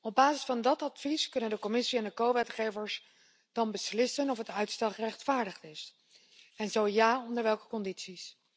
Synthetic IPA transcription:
ɔb̚baːzɪsfɑndɑtɑtfiskɵnəndəkɔmɪsiɛndəkowʋɛtχejvəɹs | d̥ɑnbəslɪsənɔfɦətœɥtstɛlχrɛχtfaːɹdəχtɪs | ɛnzowjaːɔndəɹʋɛlˠkə̥kɔnditsis

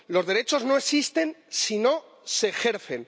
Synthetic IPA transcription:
lo̞zðe̞ɾe̞t͡ʃo̞zno̞e̞sist̪e̞nsino̞ | se̞ːxe̞ɾθe̞n

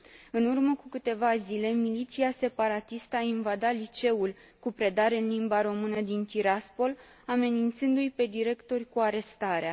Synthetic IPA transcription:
ɨnurməkukɨt̪e̞vazile̞milit̪siase̞paɾat̪ist̪əainvad̪alit͡ʃe̞ul | kupɾe̞d̪aɾɨnlimbaɾo̞mɨnəd̪int̪iɾaspo̞l | ame̞nint̪sɨnd̪ujpe̞d̪iɾe̞kt̪o̞rʲkuaɾe̞st̪aɾea

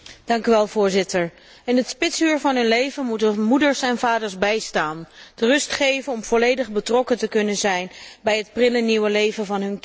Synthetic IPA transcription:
d̥ɑŋkyʋɛlˠvʊːɹzɪtəɹ | ɪnɦətspɪtsyːɹvɑnɦɵnlejvənmutəmudəɹsɛnvaːdəɹszbɛjstaːnd̥ərɵstχejvənɔmv̥ɔlejdəχbətrɔkətəkɵnənzɛjnbɛjɦət̚prɪləniwəlejvəvɑnɦɵnk

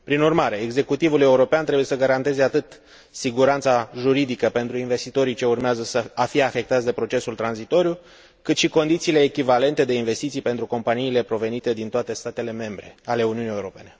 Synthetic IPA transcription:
pɾinurmaɾe̞ːɡze̞kut̪ivule̞uɾo̞peant̪ɾebuje̞səɡaɾant̪e̞ze̞at̪ɨt̪ | siɡuɾant̪saʒuɾid̪ikəpe̞nt̪ɾuinve̞st̪it̪o̞ɾit͡ʃe̞urmeazəsəafije̞afe̞k̚t̪at̪sʲd̪e̞pɾo̞t͡ʃe̞sult̪ɾanzit̪o̞ɾju | kɨt̪ʃiko̞nd̪it̪siːle̞ːkʲivale̞nt̪e̞d̪e̞inve̞st̪it̪sijpe̞nt̪ɾuko̞mpaniːle̞pɾo̞ve̞nit̪e̞d̪int̪oat̪e̞st̪at̪e̞le̞me̞mbɾe̞̰ale̞uniunije̞uɾo̞pe̞ne̞

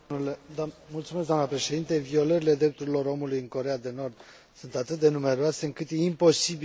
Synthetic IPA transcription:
ulemult̪sumesɡd̪oanəpɾe̞ʃe̞d̪int̪e̞vio̞ləɾile̞d̪ɾe̞p̚t̪uɾilo̞ɾo̞mulujɨŋko̞ɾe̞ad̪e̞no̞rd̪ | sunt̪at̪ɨt̪̚d̪e̞nume̞ɾoase̞ɨŋkɨt̪jeimpo̞sibi

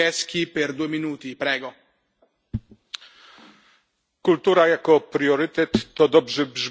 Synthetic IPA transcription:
ɛsk̟iperd̪ueminuːt̪ipɾɛːɡɔ | kult̪uːɾajakɔpɾiɔɾit̪ɛt̪ːɔd̪ɔbʐɛbʐ

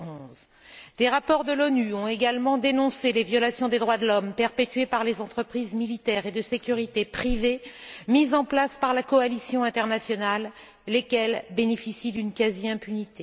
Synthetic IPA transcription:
ɔ̃z | d̪̥eʁapɔʁd̪əlɔnyɔ̃eɡalmɑ̃d̪enɔ̃selevjɔlasjɔ̃d̪ed̪ʁwad̪əlɔmpɛʁpet̪ɥepaʁlezɑ̃t̪χəpχizmilit̪ɛʁed̪əsekʲyʁit̪epχivemizɑ̃plaspaʁlakɔalisjɔ̃ɛ̃t̪ɛʁnasjɔnalː | ekʲɛlbenefisid̪ynkaziɛ̃pynit̪e

